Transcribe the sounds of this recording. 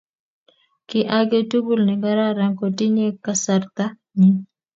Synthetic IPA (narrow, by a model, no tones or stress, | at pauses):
kɪʔaɡetuɡulniɡaɾaɾaŋkɔdiɲekasaɾt̪a | ɲi